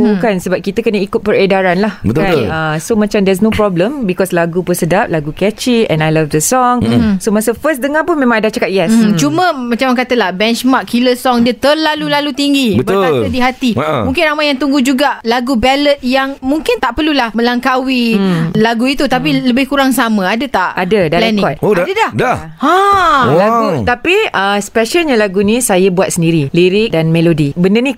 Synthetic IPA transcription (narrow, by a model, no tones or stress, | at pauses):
ukansəbap̚kit̪əkənəikʊt̪̚pəɾedaɾanlahbəkaəsomãt͡ʃamdɛs̬nopɾɔbləmbikɔslaɡupʊnsədap̚laɡukɛt͡ʃiɛ̰̃najlafdəsɔŋsomasəfəsdəŋãpʊnmẽmãŋadat͡ʃakat̪̚jɛst͡ʃumə̃mãt͡ʃamak̬at̪əlahbɛnt͡ʃmakʰːiləsɔŋdiət̪əlalulalut̪iŋɡibəbəaədiɦat̪imũŋkɪnramajaŋt̪uŋɡud͡ʒuɡalaɡubɛlət̪̚jaŋmũŋkɪnt̪aʔpərlulahmə̃laŋkawilaɡuit̪ut̪ap̬iləbɪhkuɾaŋsamə̃adət̪aʔʔadədalɛnkɔŋt̪̚adədada | alaɡut̪apiəspɛʃəlɲalaɡunĩsajabuat̪̚səndiɾiliɾɪk̚danmelodibəndəni